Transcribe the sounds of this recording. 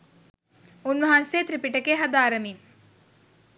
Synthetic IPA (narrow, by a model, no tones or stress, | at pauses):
unʋɐɦanseːt̪ɾipiʈəkeɦad̪aːɾəmim